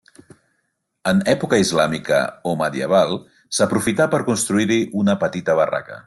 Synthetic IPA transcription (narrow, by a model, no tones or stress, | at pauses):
ənɛpukəizlamikə̰oməðiə̰β̞alˠ | səpɾufit̪apəɾkunst̪ɾuiɾiʔunəpət̪it̪əβara̰kə̰